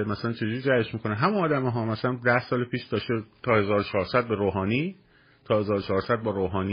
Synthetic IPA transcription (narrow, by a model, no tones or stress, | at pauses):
mæsælænt͡ʃʰe̞d͡ʒuɾiːdæeʃmiːkʰo̞neɦæmunɒːd̪æmeɦɒːmæsælænd̪æhsɒːlepʰiːʃd̪̥ɒːʃt̪et̪ʰɒːhe̞zɒːɾot͡ʃʰɒːɾsæd̪̚beɾoːɦɒːniː | t̪ʰɒːhe̞zɒːɾot͡ʃʰɒːɾsæd̪̚bɒːɾoːɦɒːni